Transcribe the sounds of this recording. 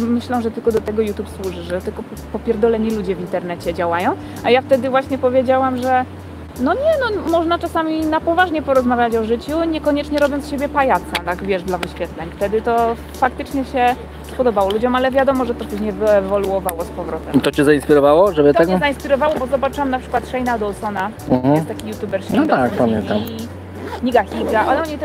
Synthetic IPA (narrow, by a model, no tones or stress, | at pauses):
mɘɕlɔ̃wʐɛt̪ɘlkɔd̪ɔt̪ɛɡɔjut̪jupswuʐɘʐɛt̪ɘlkɔpɔpʲjɛɾd̪ɔlɛɲilud͡ʑɛvʲint̪ɛɾnɛt͡ɕɛd͡ʑawajɔ̃w̃ | ajaft̪ɛd̪ɘvwaɕɲɛpɔvʲjed͡ʑawamʐɛ | nɔɲɛnɔmɔʐnat͡ʂasamʲinapɔvaʐɲɛpɔɾɔzmavʲjat͡ɕɔʐɘt͡ɕuɲɛkɔɲɛt͡ʂɲɛɾɔbʲjɔnsɕebʲjɛpajat̪sat̪akvʲjɛʐd̪lavɘɕfʲɛt̪lɛɲft̪ɛd̪ɘt̪ɔ | fak̚t̪ɘt͡ʂɲɛɕɛ | pɔd̪ɔbawɔlud͡ʑɔmalɛvʲjad̪ɔmɔʐɛt̪ɔt̪ɔɕɲɛvɛvɔluɔvawɔspɔvɾɔt̪ɛmit̪ɔt͡ɕɛzaiñspʲiɾɔvawɔʐɛbɨt̪ɛɡzaĩnspʲiɾɔvawɔbɔzɔbat͡ʂɘwamnapʂɘ̥kwat̪ʂɛjnad̪ɔlsɔna | ɦ̩jɛt̪akʲijut̪ʲjubɛɾsɔt̪akpamjɛ̰nt̪am | ɲiɡaxʲiɡaʔɔlɔɲit̪ɛ